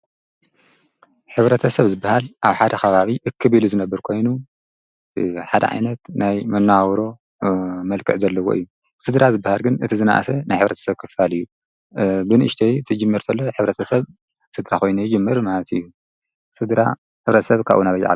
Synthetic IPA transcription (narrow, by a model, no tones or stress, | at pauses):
ħɨβɾɐt̪ʰɐsɐβzɨbːahalʔaβħad̪ɐxʰɐβaβiʔɨkʰːɨβiluzɨnɐbːɨɾkʰo̞jnu | ħad̪ɐ̰ʕa̰jnɐt̪najmɨnːawɾo̞ | mɐlkʰɨʕzɐlːɐwoʔɨ̰jːu | sɨd̪ɾazɨbːahalɡɨnɨt̪ʰizɨna̰ʔsɐnajħɨβɾɐt̪ʰɐ̥sɐβkʰɨfalɨjːu | bɨnɨʔɨʃt̪ʰɐjt̪ʰɨd͡ʒɨmːɨɾt̪ʰɐlːoħɨβɾɐt̪ʰɐsɐβ | sɨd̪ɾaxo̞jnujd͡ʒɨmːɨɾmalɐt̪ɨ̰jːu | sɨd̪ɾa̰ | ħɨβɾɐt̪ʰɐsɐβkʰa̰βʔunaβɐd͡ʒ̰ʕa̰